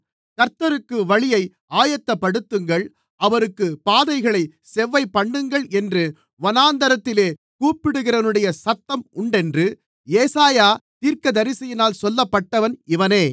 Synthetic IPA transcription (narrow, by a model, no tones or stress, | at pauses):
kɐɾt̪ːɐɾɯkːɯʋɐɭɪjɐɪ | ʔaːjɐt̪ːɐpːɐɽɯt̪ːɯŋɡɐɭ | ʔɐʋɐɾɯkːɯpaːðɐɪɣɐɭɐɪ | sɛʋːɐɪpːɐɳːɯŋɡɐɭɛndrɯ | ʋɐnaːnd̪ɐɾɐt̪ːɪleː | kuːpɪɽɯɣɪrɐnɯɽɐjɐsɐt̪ːɐmʊɳɖɛndrɯ | eːsaːjaːt̪iːɾkɐd̪ɐɾɪsɐjɪnaːlsɔlːɐpːɐʈːɐʋɐnɪʋɐneː